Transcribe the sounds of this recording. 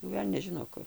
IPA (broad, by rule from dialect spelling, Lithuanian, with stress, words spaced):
jɛʊ ˈʋʲɛlʲnʲɛs ˈʒʲɪnoː ˈkʊr